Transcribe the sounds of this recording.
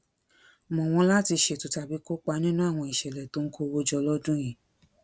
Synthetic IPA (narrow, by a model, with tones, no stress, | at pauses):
mɔ̃˨w̃ɔ̃˧˦la˦ti˧ʃe˨tu˨ta˧˦bi˦ko˦k͡pa˧˦nĩ˦nũ˦a˦˨w̃ɔ̃˧i˨ʃɛ˨lɛ˨to˨˦ŋ̩˦kʰo˦˧wo˦d͡ʒɔ˧lɔ˦dũ˦j̃ĩ˨